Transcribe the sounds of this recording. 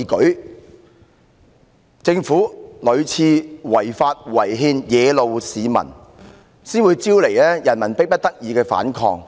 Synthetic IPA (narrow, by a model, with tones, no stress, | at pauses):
kɵ˨˥ɥ | t͡sɪ˧ŋfuː˨˥lɵ˨˧ɥt͡sʰiː˧wɐ˨˩jfaː˧t̚wɐ˨˩jɦiː˧njɛː˨˧lo˨˧wsiː˨˧mɐ̰˨˩n | siː˥nwuː˨˧jt͡siː˥wle˨˩jlɛː˥jɐ˨˩nmɐ˨˩npɪ˥k̚pɐ˥t̚t̪ɐ˥k̚jiː˨˧kɛː˧fa̰ː˨˥nkʰɔ̰ː˧ŋ